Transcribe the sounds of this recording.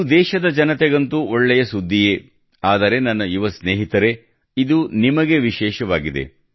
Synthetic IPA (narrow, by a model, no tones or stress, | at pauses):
d̪ɛːʃɐd̪ɐd͡ʒɐnɐt̪eɡɐnt̪uoɭːɛjɐsud̪ʱːije | aːd̪ɐɾe̞nɐnːɐiʋɐsneːɦit̪ɐɾe̞ | id̪unimɐɡe̞ʋiʃɛːʃɐʋaːɡid̪e̞̰